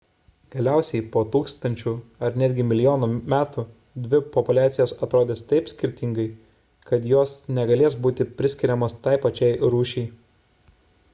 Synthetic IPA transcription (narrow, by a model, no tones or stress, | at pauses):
ɡ̥ɐlʲæˑʊsʲɛɪpoːt̪uːkst̪ɐnʲt͡ʃʲuːɐɾnʲæd̪ʲɡʲɪmʲɪlʲɪjoːnuːmʲæːt̪u | d̪ʲʋʲɪpɔpʊlʲæːt̪sʲɪjoːsɐt̪ɾoːd̪ʲeːst̪ɐɪpsʲkʲɪɾʲt̪ʲɪŋɡɐɪ | kɐt̪joːsnʲɛɡɐlʲeːs̬buːt̪ʲɪpʲɾʲɪsʲkʲɪɾʲɛmoːst̪ɐˑɪpɐt͡ʃʲɛɪɾuːʃʲɛɪ